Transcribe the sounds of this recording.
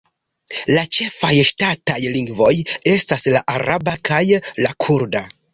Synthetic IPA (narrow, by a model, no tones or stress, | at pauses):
lat͡ʃe̞fajʃtatajliŋɡvo̞je̞staslaʔaɾabakajlakʰuɾda